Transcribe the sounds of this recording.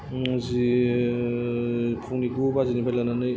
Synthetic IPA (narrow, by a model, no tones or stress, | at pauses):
zi | pʰuŋnikubazinibʰalananɯj